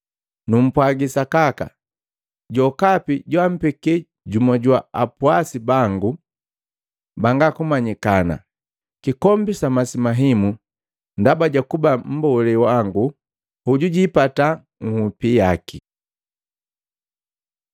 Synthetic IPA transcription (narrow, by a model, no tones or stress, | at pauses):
num̩pwaɡisakaka̰ | ɟɔkapiɟwam̩pɛkɛ | ɟumɔɟwaapuasibaŋɡu | baŋɡakumaɲikana̰ | kikɔmbisamasimaɦimu | ndabaɟakubam̩bɔlɛwaŋɡu | huɟuɟipata | ŋ̩hupijaki